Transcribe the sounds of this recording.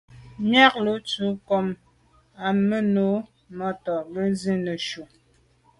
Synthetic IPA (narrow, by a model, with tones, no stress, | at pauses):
mja˦k̚lo˨˦t͡su˨˦kɔ˨m | a˨mə˦no˨˦ | mɔ˦tɔ˨bə˦zi˦nə˨ʃu˨